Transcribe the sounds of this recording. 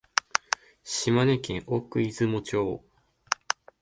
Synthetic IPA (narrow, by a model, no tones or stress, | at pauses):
ɕimanekẽɰʔokɯ̟izɨmot͡ɕoː